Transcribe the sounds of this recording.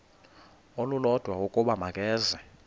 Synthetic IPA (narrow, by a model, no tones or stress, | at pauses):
olulɔd̥ʱwawokʼuɓamakʼɛːzɛ